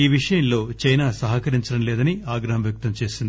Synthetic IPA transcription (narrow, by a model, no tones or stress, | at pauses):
iːʋiʂɐjɐnlo̞ːt͡ʃɐjnaːsɐɦɐkɐɾiɲt͡ʃɐɽɐmleːd̪ɐniaːɡɾɐɦɐmʋjɐk̚t̪ɐmt͡ʃe̞ːsind̪i